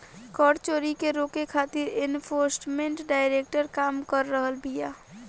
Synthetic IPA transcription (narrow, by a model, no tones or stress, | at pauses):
kəɽt͡ʃoːɾikeɾoːkekʰaːt̪ɪɾenpʰoːɾsʈmẽɳʈɖaːɪɾek̚ʈəɾkaːmkəɾːəɦəlbʱija